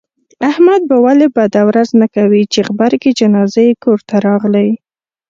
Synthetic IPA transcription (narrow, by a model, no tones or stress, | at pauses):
ahmad̪̚bawalebad̪awɾaznakawit͡ʃeχbaɾked͡ʒanɑzajekoɾt̪aɾɑɣlaj